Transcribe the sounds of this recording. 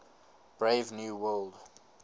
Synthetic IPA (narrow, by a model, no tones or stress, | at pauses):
b̥ɹeɪvnjuːwɜld